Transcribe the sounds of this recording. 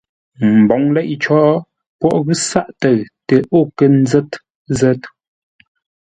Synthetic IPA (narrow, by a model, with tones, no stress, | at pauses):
m̩˨bɔ˨˦ŋlɛ˦ʔt͡ʃɔ˦ʔ | pwɔ˦ʔɣʉ˦sa˦ʔtə˨ɰtə˨ʔo˦˨kə˦˨n̩˦d͡zɛ˦t | zɛ˦t